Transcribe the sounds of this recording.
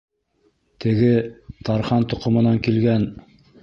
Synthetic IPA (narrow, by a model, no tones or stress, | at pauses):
t̪ʰɘ̆ɡɘt̪ɑɾχɑnt̪ŏqŏmɤ̆nɑŋkilɡæn